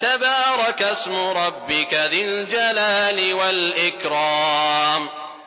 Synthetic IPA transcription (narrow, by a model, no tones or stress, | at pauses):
t̪abaːɾˤɑkasmʊɾˤɑbːɪkaðɪld͡ʒalaːlɪwalʔɪkɾɑːm